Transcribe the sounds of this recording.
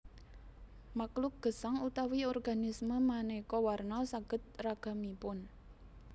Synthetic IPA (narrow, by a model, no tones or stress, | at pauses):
maklʊk̚ɡ̥ə̤saŋut̪awiɔrɡa̤nisməmanekɔwarnɔsaɡ̥ə̤t̪̚raɡ̥a̤mipʊn